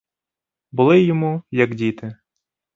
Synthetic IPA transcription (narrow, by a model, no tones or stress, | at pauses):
bʊlˠɪjɔmujɐɡdʲit̪ɪ